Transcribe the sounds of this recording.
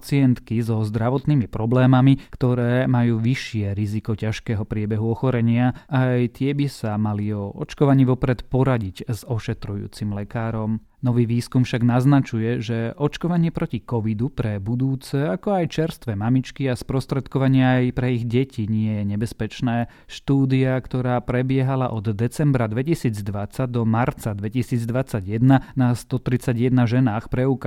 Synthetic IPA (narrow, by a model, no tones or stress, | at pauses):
t͡siɪɛnt̪kizɔzd̪ɾaʋɔt̪niːmipɾɔblɛːmamikt̪ɔɾɛːmajuːʋiʃɪɛɾizikɔcaʃkɛːɦɔpɾɪɛbɛɦuɔxɔɾɛɲɪaajt̪ɪɛbisamaliɔɔ̰t͡ʃkɔʋaɲiːʋɔpɾɛt̪pɔɾaɟiczɔʃɛt̪ɾujṵːt͡simlɛkaːɾɔm | nɔʋiːʋiːskumfʃaɡnaznat͡ʃujɛʒɛʔɔt͡ʃkɔʋaɲɪɛpɾɔcikɔʋid̪upɾɛbud̪uːt͡sɛakɔajt͡ʃɛɾst̪ʋɛmamit͡ʃkiaspɾɔst̪ɾɛt̪kɔʋaɲɪɛːjpɾɛiɣɟɛcʰiɲɪɛjɛɲɛbɛspɛt͡ʃnɛː | ʃt̪uːd̪iakt̪ɔɾaːpɾɛbɪɛɦalaʔɔd̪ːɛt͡sɛmbɾad̪ʋɛcisiːd͡zd̪ʋat͡saɟ̚d̪ɔmaɾt͡sad̪ʋɛcisiːd͡zd̪ʋat͡saɟjɛd̪nanast̪ɔt̪ɾit͡saɟjɛd̪naʒɛnaːxpɾɛuk